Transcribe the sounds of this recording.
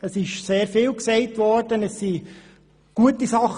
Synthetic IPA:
əsɪʃseːɾfiːlksɛɪtvɔɾd̥ənɛsi | ɡ̥uətisɑχ

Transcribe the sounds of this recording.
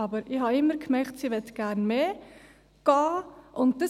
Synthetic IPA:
ɑbəɾʔihɑɪmːəɾkʰmɛktsiːʋɛt̪ɡ̥æɾnmeː | ɡ̥ɑːʔʊnt̚d̥ə

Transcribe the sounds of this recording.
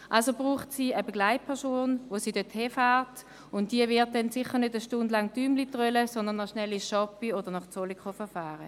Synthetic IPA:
ʔalsob̥ʁuːχtsiːəbɛɡlaɪt̚pʰɛɐsoːnvosiːdøthefaːʁt | ʊntd̥iəvɪɐt̚dɛnsɪχːəʁnødəʃtʊndlɑŋdyːmlitʁœləsɔndənaʃnɛlːiʃɑpioːd̥əʁnɔχt͡solikχofɛɐfaːʁə

